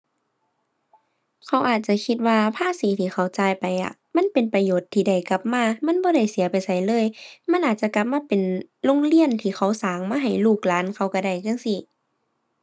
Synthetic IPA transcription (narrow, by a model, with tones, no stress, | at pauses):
kʰa˧˦wʔaː˨˩t̪̚t͡ɕa˧˨kʰi˧t̪̚waː˧pʰaː˧˥˨siː˨˦t̪ʰiː˧˩xa˧˩wt͡ɕaː˧˩jpa˨jʔa̰˧˨ | ma˧˥˨npe˨npa˧joː˨˩t̪ʰːiː˧˩da˧˩jka˧˦p̚maː˧˥˨ma˧˥˨nbɔː˧˦ɾa˧˩jsi˨˦ɐpa˨jsa˧˩jlɤː˧˥˨jma˧˥˨nʔaː˨˩t̪̚t͡ɕa˧˦ka˧p̚maː˧˥˨pe˨nlo˧˨ŋli˧˥ənt̪ʰiː˧˩xʰa˧˩wsaː˨˦ŋmaː˧ɦa˨˩jluː˧˩k̚laː˨˥nkʰa˧˩wka˧˩da˧˩jka˧˥˨ŋsi˧˨